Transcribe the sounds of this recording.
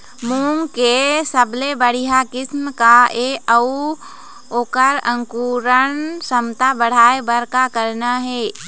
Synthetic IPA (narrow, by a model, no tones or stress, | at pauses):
muːmkesəblebəɽ̤iɦakɪsmkaeəu | oːkəɾə̃ŋkuɾənsəmt̪abəɽ̤aːebəɾkakəɾnaɦeː